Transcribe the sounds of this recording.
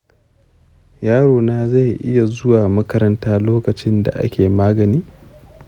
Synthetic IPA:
jaː˦ɽoː˨naː˦za˦˨jʔɪ˦ja˨zʊ˦waː˨mɐ˦kɐ˦ɾɐ˦ntaː˦loː˦kɐ˨t͡ʃɪ˦nda̰˨ʔa̰˦kʲeː˨maː˦ɡɐ˨niː˦

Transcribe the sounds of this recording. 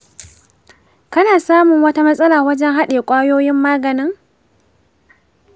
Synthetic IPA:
kɐ˦naː˨saː˦mʊ˨ŋwɐ˦ta˦mɐ˦sʼɐ˦laː˨wɐ˦d͡ʒɛ˦ŋɦa˦ɗeː˨kʷʼaː˦joː˦jɪ˦mːaː˦ɡɐ˨nɪ˦ŋ

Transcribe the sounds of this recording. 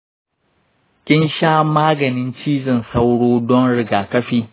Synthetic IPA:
kʲʼɪ˦nʃaː˦maː˦ɡɐ˨nɪ˦nt͡ʃiː˦zɪ˨nsa˦wɽoː˦dɔ˦nɽɪ˨ɡaː˨kɐ˦ɸiː˦

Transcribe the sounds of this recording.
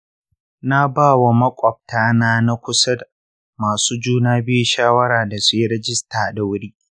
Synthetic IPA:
na˦baː˦˨wa˨mɐ˦kʷʼɔ˨b̚taː˦naː˦na˦kʷʊ˦sɐ˦d | maː˨suː˦d͡ʒuː˦naː˦bɪ˦ju˨ʃaː˦wɐ˦ɽaː˨da˨su˦jɪ˦ɾɛ˦d͡ʒɪ˦staː˨da˨wʊ˦ɽiː˦

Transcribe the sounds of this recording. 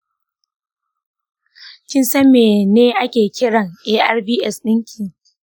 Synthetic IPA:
kʲɪ˦nsɐ˦meː˨neː˦ʔa˦kʲeː˨kʲɪ˦ɽɐ˨ŋʔeː˦ʔa̰˦rbiː˦ʔɛ˨sɗɪ˦ŋkʲʰiː˨

